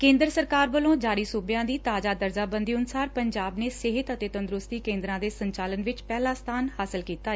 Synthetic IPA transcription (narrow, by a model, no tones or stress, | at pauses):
kẽːnd̪ɾsəɾkaːɾbəlõːd͡ʒaːɾiːsʊbjãːd̪iːt̪aːd͡ʒaːd̪əɾd͡ʒaːbə̃nd̪iːʊnsaːɾpəɲd͡ʒaːbneːseːɦɪt̪ət̪eːt̪ənd̪ɾʊst̪iːkẽːnd̪ɾãːd̪eːsəɲt͡ʃaːlənʋɪt͡ʃpɛːlãːst̪ʰaːnhaːsəlkiːt̪aː